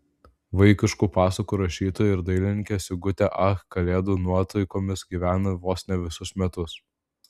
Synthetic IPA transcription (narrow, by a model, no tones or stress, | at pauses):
ʋɐɪkʲɪʃkuːpɑːsɐkuːɾɐʃʲiːt̪oːjɪɾd̪ɐɪlʲɪnʲɪŋʲkʲesʲɪɡʊt̪ʲɛʔɐxkɐlʲeːd̪uːnuɔt̪ɐɪkoːmʲɪsɡʲiːʋʲæːnɐʋoːsʲnʲɛʋʲɪsʊsmʲɛt̪ʊs